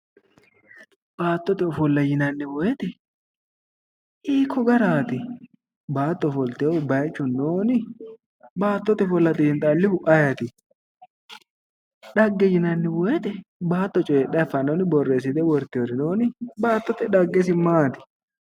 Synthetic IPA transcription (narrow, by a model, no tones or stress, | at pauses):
b̥aːt̪ːɔt̪ɛɔfɔlːɐjɪnɐnːɪwɔjɛt̪ɛ | ʔiːkʰːɔɡɐɾaːt̪ɪ | baːt̪ʼːɔfɔlt̪ebɐjt͡ʃːʊnoːnɪ | baːt̪ːɔt̪ɛfɔlːɐt̪ʼɪːɪnt̪ʼalːɪhʊʔɐjɐt̪ɪ | ɗɐɡːɛjɪnɐnːɪwɔjɛt̪ɛbaːt̪ʼːɔt͡ʃʼɔeɗɐfːɐnoːnɪbɔrːeːs̬ɪd̪ɛwɔɾt̪ːɪɔɾɪnoːnɪbaːt̪ːɔt̪ɛᶑɐɡːɛs̬ɪmaːt̪ɪ̥